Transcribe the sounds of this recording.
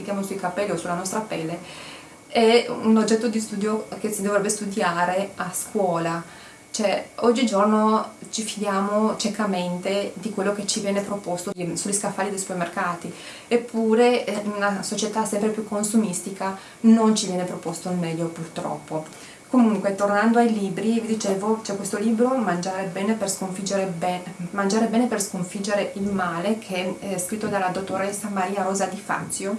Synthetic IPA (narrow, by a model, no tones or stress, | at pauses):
ikjamosuikapːɛlːiosulːanɔst̪ɾapɛlːe | ɛunod͡ʒːɛt̪ːod̪ist̪uːd̪jokesid̪ovɾɛbːest̪ud̪jaːɾeaskwɔːla | t͡ʃoɛɔd͡ʒːid͡ʒornot͡ʃifid̪jaːmot͡ʃekament̪ed̪ikwelːoket͡ʃivjɛːnepɾopost̪osuʎːiskafːaːlid̪ejsu̥permerkaːt̪i | epːuːɾeunasot͡ʃet̪asɛmpɾepjukʰːonsumist̪ika | nont͡ʃivjɛːnepɾopost̪oilmɛʎːopurt̪ɾɔ̰pːo | komuŋkwet̪ornand̪oajliːbɾivid̪it͡ʃeːvot͡ʃɛkːwest̪oliːbɾomand͡ʒaːɾebɛːneperskoɱfid͡ʒeɾebɛmand͡ʒaːɾebɛːneperskoɱfid͡ʒeɾeʔilmaːlekʰɛɛskɾit̪ːod̪alːad̪ot̪ːoɾesːamaɾiːaɾoːzad̪ifa̰nt̪sjo